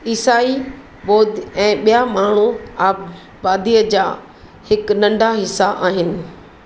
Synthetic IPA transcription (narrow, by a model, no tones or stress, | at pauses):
iːsaːi | ɓɔːd̪ɛ̃ːɓijamaːɳ̤uaːb | baːd̪ijəd͡ʑaː | hɪknɐ̃ɳɖʱaɦɪsːaʔaːɦɪnɪ̆